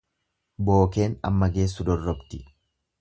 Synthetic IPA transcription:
bo̞ːke̞ːnɐ̰mːɐɡe̞ːs̬ːʊd̪ɔrːɔbt̪ɪ

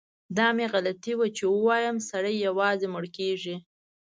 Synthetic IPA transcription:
d̪ɑmeɣalat̪iwat͡ʃewəwɑjəmsaɽajːawɑzemʊɽkeʐi

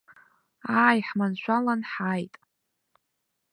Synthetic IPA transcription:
aːjħmanʃʷalanħajtʼ

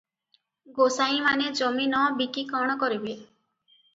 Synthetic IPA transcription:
ɡosaĩmaned͡ʒɔminɔbikikɔɽ̃ɔkɔɾibe

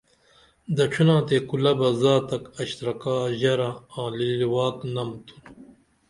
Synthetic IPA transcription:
d̪ɐʈ͡ʂʰunãːt̪ekulɐbɐzaːt̪ɐkɐɕt̪ɾɐkaːʑɐɾaãːliliwaːknɐmt̪ʰu̥n

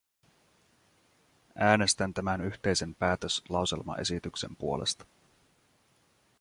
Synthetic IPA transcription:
ʔæːne̞st̪ænt̪æmænyçt̪e̞jse̞mpæːt̪øslɑwse̞̰lmɑ̰ʔe̞̰sit̪ykse̞̰mpuo̞lḛst̪ɑ̥

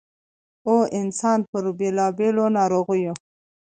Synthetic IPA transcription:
oʔɪnsɑnpəɾbelɑbelonɑɾoɣujo

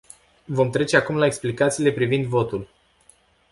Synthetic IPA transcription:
vo̞mt̪ɾe̞t͡ʃe̞akumlaeksplikat̪siːle̞pɾivind̪vo̞t̪ul

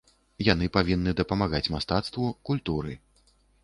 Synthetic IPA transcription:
janɨpavʲinːɨd̪ɐpɐmaɣat͡sʲmast̪at̪st̪vukulʲt̪uɾɨ

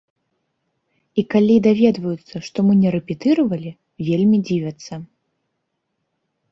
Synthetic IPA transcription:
ikalʲid̪avʲɛd̪vɐjut̪sːɐʂt̪ɔmɨnʲɛɾɛpʲɛt̪ɨɾɐvɐlʲi | vʲelʲmʲid͡zʲivʲɐt̪sːɐ

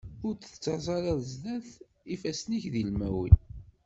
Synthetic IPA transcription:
ʊɾt͡sə̥t͡sːɑsˤɑɾɑðzðæθ | ifæsniçðilmæ̰wḭn

